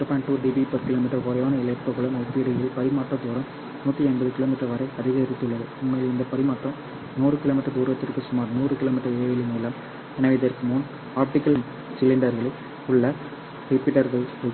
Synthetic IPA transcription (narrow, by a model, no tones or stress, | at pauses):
ɾpaːɳʈuːɾɖiːbipɐɾkɪloːmɪʈːɐɾkʊɾɐjaːnɐɪlɐpːɐɣɐɭɯmɐpːiɾɐjɪlpɐɾɪmaːʈrɐt̪uːɾɐ̃m | nuːt̪ːiɐnbɐðɯkɪloːmɪʈːɐɾʋɐɾɐɪɐðɪɣɐɪɾɪt̪ːɯɭːɐðɯʊmːɐjlɪnd̪ɐpɐɾɪmaːʈrɐm | nuːrɯkɪloːmɪʈːɐɾd̪uːɾɯʋɐt̪ːɪɾkɯsʊmaːɾnuːrɯkɪloːmɪʈːɐɾeːʋɪlɪnɐlːaːm | ɛnɐʋɐɪðɐɾkːɯmuːn | aːp̚ʈɪkːɐlm | sɪlːɪɳɖɐɾɣɐɭ | ʊɭːɐ | hipɪʈːɐɾðɐ